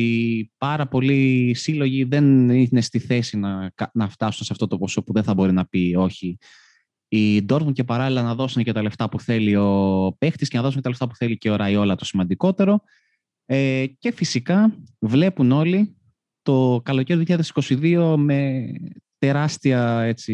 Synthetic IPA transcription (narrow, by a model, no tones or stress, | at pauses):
ipɐɾɐpo̞lisilo̞ʝiðe̞nine̞st̪iθe̞sinɐnɐft̪ɐsunsɐft̪o̞t̪o̞po̞so̞puðenθɐbo̞ɾinɐpio̞çi | id̪o̞ɾt̪unce̞pɐɾɐlilɐnɐðo̞sunecet̪ɐle̞ft̪ɐpuθe̞lio̞pe̞xt̪iscenɐðosunet̪ɐleft̪ɐpu̥θe̞liceoɾɐio̞lɐt̪o̞simɐnd̪iko̞t̪e̞ɾo̞ | ece̞fisikɐvle̞puno̞li | t̪o̞kɐlo̞ceɾoðijçʎɐðesi̥ko̞siðio̞me̞t̪e̞ɾɐst̪iɐe̞t͡si